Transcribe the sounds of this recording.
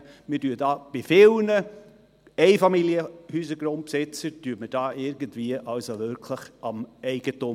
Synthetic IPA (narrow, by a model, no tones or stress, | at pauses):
mɪdyːdɑːb̥ɪfɪlnə | ɛɪfɑmiljəhyːsəɡɾʊnt̚psɪt͡səd̥yːəməd̥ɑːɪɾɡəntviəʔɑlsoʋʏɾkʰləχʔɑmɛɪɡ̥ətʊ